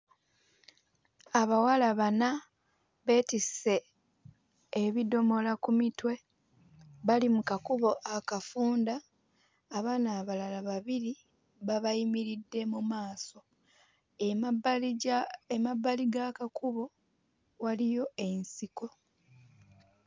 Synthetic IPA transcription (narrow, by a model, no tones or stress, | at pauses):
aβawalaβana | βe̞ːtise̞ | βido̞mo̞lakumitwe̞ | βalimukakuβo̞ʔakafuːndaː | βaːnaːβalalaβaβiɾi | βaβajimiɾidːe̞mumaːso̞ | emabaliɡakakuβo̞ | walijo̞e̞nsiko̞